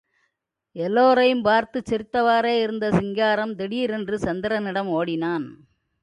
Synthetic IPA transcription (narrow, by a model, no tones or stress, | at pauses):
ɛlːoːɾɐjɯmpaːɾt̪ɯt͡ʃːɛɾɪt̪ːɐʋaːɾeːɪɾɯnd̪ɐsɪŋɡaːɾɐmd̪ɛɽiːɾɛndrɯsɐnd̪ɪɾɐnɪɽɐmoːɽɪnaːn